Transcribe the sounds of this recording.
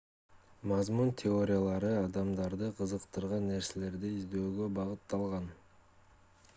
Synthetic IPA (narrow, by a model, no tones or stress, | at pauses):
mɑzmunt̪ʲʰɪo̞ɾʲɪjalˠɑɾɯɑd̪ɑmd̪ɑɾd̪ɯqʰɯzɯqt̪ɯɾʁɑnːe̞ɾse̞le̞ɾd̪iizd̪ø̞ːɡø̞bɑʁɯt̪ːɑlˠʁɑn